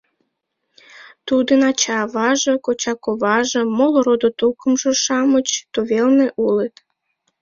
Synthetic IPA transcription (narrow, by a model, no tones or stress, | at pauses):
t̪ud̪ənɑt͡ɕɑβɑʒəkot͡ɕɑkoβɑʒə̆moloɾod̪ot̪ukəmʒə̆ʃɑmət͡ɕt̪uβelneʔulet̪